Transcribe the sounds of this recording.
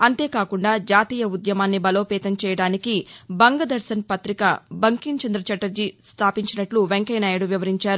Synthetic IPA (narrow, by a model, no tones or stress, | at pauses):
ɐnt̪e̞ːkaːkuɳɖaːd͡ʒaːt̪iːjɐud̪jɐmaːnːibɐlo̞ːpɛːt̪ɐmt͡ʃɛːjɐɽaːnikibɐŋɡɐd̪ɐɾsɐnpɐt̪ɾikɐbɐŋkint͡ʃɐnd̪ɾɐt͡ʃɐʈɐɾd͡ʒist̪ʰaːpiɲt͡ʃinɐʈluʋeŋkɐjnaːjɐɽuʋjiʋɐɾiɲt͡ʃaːɾu